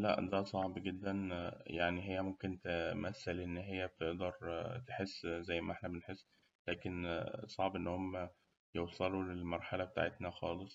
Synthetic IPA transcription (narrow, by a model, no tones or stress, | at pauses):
læ̰ʔd̪æsˤɑʕbɡed̪ːænjaʕniɦejːæmomkent̪emæθːælʔenːɦejːæb̚t̪eʔd̪ɑɾˤt̪eħesːzæjːmæʔeħnæbenħesː | læːkensˤɑʕbʔenːhomːæ | jewsˤɑlulelmɑɾˤħalæbet̪a̰ʕet̪næxɑːlesˤ